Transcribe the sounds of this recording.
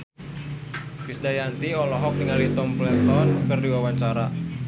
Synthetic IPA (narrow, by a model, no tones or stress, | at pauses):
pisdajant̪iɔlɔɦɔk̚diŋalit̪ɔmplɛt̪ɔnkərdiwawaɲt͡ʃaɾa